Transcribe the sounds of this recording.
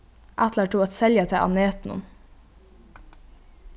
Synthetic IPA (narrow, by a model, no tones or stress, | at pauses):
ʔæt̪ləʈʰuːɑt̪sɛljət̪ʰɛʔɑ̰neːt̪nʊ̰n